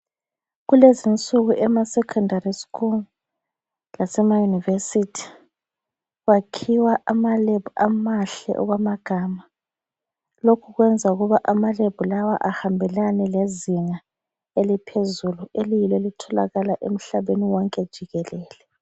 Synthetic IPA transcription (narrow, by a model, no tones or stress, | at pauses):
ɣulezint͡sʼuɣuʔɛmasɛkʰɔndariskuŋ | lasɛmajunivesitʰi̥ | ɣwakʰiwaʔamaleb̥ʱuamaɬɛ̰ʔɔ̰ɣwamaɡ̥ʱaːma | lokʰuɣwɛnd͡zʱauɣuβaʔamaleb̥ʱulawaʔahambʱɛlanɛleziŋa | elipʰezuluelijilwelitʰɔla̰ɣalaʔḛm̩ɬaβeniwɔŋkʼɛd̥ʒ̥ʱiɣɛlɛːlɛ